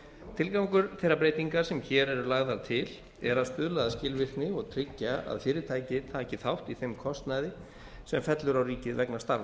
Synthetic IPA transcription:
t̪ʰɪlkawŋkʏɾθejɾapɾeːjt̪iŋkaɾ̥sɛmçɛːɾɛɾʏlaɣðaɾt̪ʰɪl | ɛɾaðst̪ʏðlaðascɪlvɪr̥knɪɔɣt̪ʰɾɪcːaa̰ðfɪːɾɪt̪ʰaːjcɪt̪ʰaːcɪθawht̪iθejmkʰɔst̪najðɪ | sɛmfɛt̪lʏɾawriːcɪðvɛknast̪aɾva

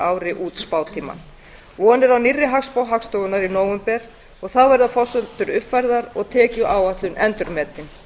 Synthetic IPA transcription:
aːwɾɪʔuːt̪spaːwt̪ʰiːma̰n | ɔɔnːɪɾawnirːɪɦakspawɦakst̪ɔɣʏnaɾinoːwʏmpɛɾ̥ | ɔɣθaðvɛɾðafɔsʏlt̪ʏɾʏpfajɾðaɾɔɣt̪ʰɛːcʏʔaːwaht̪lʏnʔɛnt̪ʏɾmɛːt̪ɪn

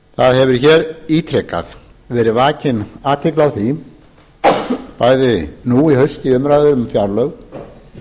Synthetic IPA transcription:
θaðhɛvʏɾ̥çɛːɾiːt̪ʰɾɛkːa̰ð | vɛːɾɪvaːcɪnaːt̪ʰɪklawθi | paːjðɪnuːihœɥst̪ɪʏmɾajðʏɾʏmfjaɾlœɣ

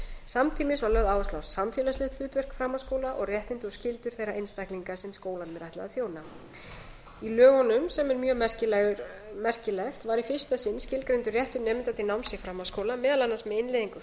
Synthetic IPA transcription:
samt̪ʰiːmɪsvaɾlœðaːwɛstlawsːamfjɛlaslɪht̪fʏːt̪vɛr̥kfɾamaskoːwlaʔɔɣrjɛht̪ɪnt̪ɔscɪlt̪ʏɾ̥θejɾaʔejnst̪ahkliŋkaɾ̥sɛmskoːwlanmɛɾajht̪la̰ɣðaθjoːwna | ilœːɣɔnʏmsɛmɛɾmjœːmɛr̥cɪʏ | mɛr̥cɪlɛxt̪vaɾifɪr̥st̪asɪnːscɪlkɾejnt̪ʏrjɛht̪ʏɾnɛːmɪnt̪at̪ɪnawmsɪfɾamaskoːwlamɛːðalanːasmɛðɪnleːðiŋkʏ

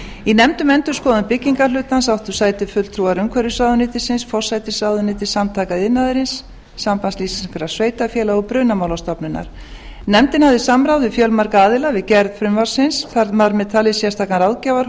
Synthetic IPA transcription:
inɛmt̪ʏmɛnt̪ʏɾ̥skɔːðʏmpɪcːiŋkalʏːt̪ansawht̪ʏ̥saːjt̪ɪfʏt̪l̥t̪ʰɾuaɾʏmkʰɛɾʏsaːwðʏnɪːt̪ɪsɪnsfɔ̥sajt̪ɪsawðʏnɪːt̪ɪ̥samt̪ʰaːkaðɪnːaðɪɾɪnsː | ampansliːsi̥kʰʏɾasveːjt̪afjɛːlaɔpɾʏnamawlawst̪ɔpnʏnːa̰ɾ̥ | nɛmt̪ɪnhavðɪsamɾawðɪfjœlmaɾkaaːðɪlavɪðcɛɾðfɾʏmvaɾ̥sɪnsθaɾmaɾmɛt̪ʰalɪsjɛst̪ʰaːkanɾawðcaːvaɾ

